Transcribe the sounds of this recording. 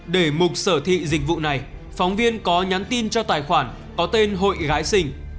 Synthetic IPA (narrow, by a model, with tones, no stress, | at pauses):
ɗe˧˩mʊ˨˩t̚səː˧˩t̪ʰḭ˧˨zï˨˩k̟̚vṵ˧˨na˨˩jfɔ˨˦wŋ͡mvi˧ənkɔ˨˦ɲa˨˦nt̪i˧nt͡ɕɔ˧t̪aː˨˩jxwaː˧˩n | kɔ˨˦t̪e˧nɦo̰˧˨jɣaː˨˦jsï˧˩ŋ̟